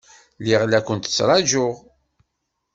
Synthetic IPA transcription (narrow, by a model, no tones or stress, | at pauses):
liʁlækʷənt̪ə̥t͡sːɾˤɑʒʊʁ